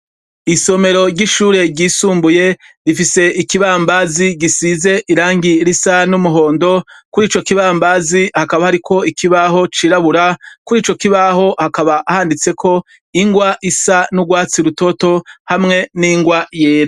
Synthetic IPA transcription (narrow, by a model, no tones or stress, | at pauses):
iso̞me̞ɾo̞ɟiʃuːɾe̞ɟiːsuːmbuje̞ | ɾifise̞ikiβaːmbaːziɡisize̞ʔiɾaːŋɡiɾisanumuɦo̞ːndo̞kuɾiːt͡ʃo̞kiβaːmbaːzihakaβahaɾikʰo̞ikiβaɦo̞t͡ʃiːɾaβuɾakuɾiːt͡ʃo̞kiβaho̞hakaβaʔahaːndit͡se̞kʰo̞ | iŋɡwaʔisanuɡwaːt͡siɾuto̞to̞hamŋe̞niŋɡwajeːɾa